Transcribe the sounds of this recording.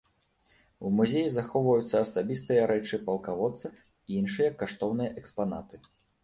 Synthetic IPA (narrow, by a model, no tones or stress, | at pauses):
umuzʲejizaxɔwvɐjut̪sːɐɐsabʲist̪ɨjɐɾɛt͡ʂɨpɐlˠkavɔt̪sːɐ | iinʂɨjɐkːaʂt̪ɔwnɨjɐʔɛkspana̰t̪ɨ